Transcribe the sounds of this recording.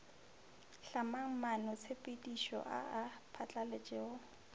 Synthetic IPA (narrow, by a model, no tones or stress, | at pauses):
ɬamaŋ̩manʊt͡sʰepʼedʼiʃɔ̰ʔa̰apʰat͡ɬʼalet͡ʃʼɛʊ